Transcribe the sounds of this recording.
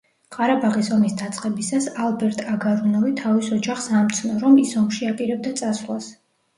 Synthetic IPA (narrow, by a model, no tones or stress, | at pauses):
qʼaɾabaʁisɔmisd̪at̪sʼqʼɛbisasalˠbɛɾt̪ʼaɡaɾunɛlit̪ʰavisɔd͡ʒaχsamt̪sʰnɔɾɔmisɔmʃiapʼiɾɛb̚d̪at̪sʼasχwas